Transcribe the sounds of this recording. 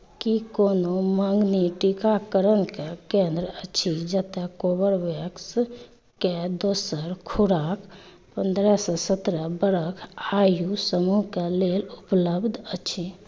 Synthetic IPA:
kikonoməŋɡniʈikakəɾənkekẽnd̪ɾət͡ʃʰid͡ʒət̪ɛkobəɾʋəks | ked̪osəɾkʰuɾak | pənd̪ɾɛsɔsət̪ɾəbəɾəkʰajusəmuɦkelelupləbd̪ʱət͡ʃʰi

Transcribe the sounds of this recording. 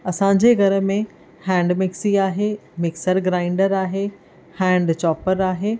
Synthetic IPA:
ɐsãɲd͡ʑeɡʱɐɾə̆mẽ | hɛ̃ːɳɖmɪksiaːɦemɪksəɾɡɾaːɪ̃ɳɖəɾaːɦe | hɛ̃ːɳɖt͡ɕɔːpəɾaːɦeː

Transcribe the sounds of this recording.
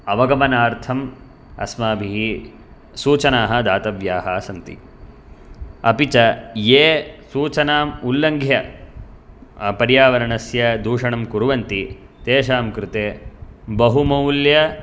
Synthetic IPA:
ɐʋɐɡɐmɐnaːɾt̪ʰɐm | ɐ̰smaːbʱiɦi | suːt͡ʃɐnaːɦɐ̆d̪aːt̪ɐʋjaːɦɐsɐnt̪ḭ | ɐpit͡ʃɐjeːsuːt͡ʃɐnaːmulːɐŋɡʱjɐ | pɐɾjaːʋɐɾɐɳɐsjɐd̪ʱuːʂɐɳɐmkuɾuʋɐnt̪i | t̪eːʃaːmkɾɪt̪eːbɐɦumɐwljɐ

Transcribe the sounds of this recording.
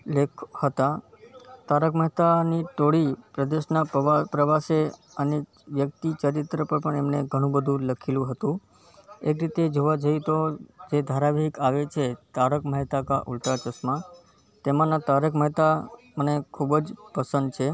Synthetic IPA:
lekʰhət̪a | t̪aɾəkməɦt̪aniʈoɽipɾəd̪eʃnapɾəʋase | əne | ʋjək̚t̪it͡ʃəɾit̪ɾəpəɾpəɳɛmneɡʱəɽ̃ũbəd̪ʱũləkʰilũɦət̪ũ | ekɾit̪ed͡ʒoʋad͡ʒəjt̪od͡ʒed̪ʱaɾaʋəɦikaʋet͡ʃʰet̪aɾəkməɦt̪akaʔulʈ̪at͡ʃəsmã | t̪emãnãt̪aɾəkməɦt̪amənekʰubd͡ʒpəsə̃nd̪̚t͡ʃʰe

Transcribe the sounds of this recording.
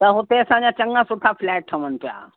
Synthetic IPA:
t̪ɐɦʊt̪eɐsãɲd͡ʑat͡ɕɐ̃ŋɡãsʊʈʰapʰlɛːk̚ʈʰɐʋənt̪ʰija̰

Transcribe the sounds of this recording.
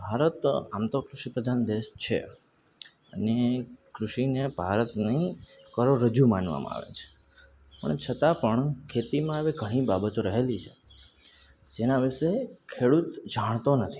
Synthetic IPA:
bʱaɾət̪amt̪okɾuʃipɾəd̪ʱand̪eʃt͡ʃʰḛ | ənekɾuʃinebʱaɾət̪ni | kəɾoɾəd͡ʒumanʋa̰mã̰a̰ʋḛt͡ʃʰe̥ | pə̰ɳet͡ʃʰət̪apəɳkʰet̪imãaʋeɡʱəɽ̃ibabət̪oɾəɦelit͡ʃʰe | d͡ʒenaʋɪʃekʰeɽut̪d͡ʒaɽ̃t̪onət̪ʰi̥

